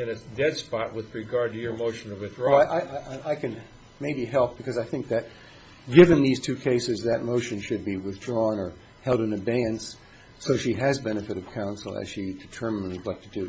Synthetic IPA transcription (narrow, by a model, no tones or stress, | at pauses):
ɨ̃nɨdɛdspɑt̚wɨðɹɨɡɑɹd̚tɨjə˞moʊʃn̩ɨwɨθdɹɔɪʔaɪʔaɪʔaɪkɨ̃n | meɪbiɦɛlˠp̚b̥ɨkʰʌzaɪθɪ̃ŋk̚ðɨt̚ | ɡ̥ɪvɨ̃nðiz̥tʰʉkʰeɪsɨzðɨt̚moʊʃɨ̃nʃɨd̚biwɨθdɹɔ̃nə˞ | hɛlˠdɨ̃nɨbæɪɨ̃ns | soʊʃiɨzbɛnɨfɨɾʌv̥kʰãʊ̃nsl̩ˠɨ̰z̥ʃidɨtʰɜ˞mɨ̃nɨɡlɛk̚tʰɨdʉ